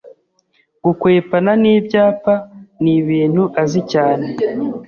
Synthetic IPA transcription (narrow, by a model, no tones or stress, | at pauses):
ɡukwe̞ːpananiːbɟaːpaniβiːn̥huʔazicaːne̞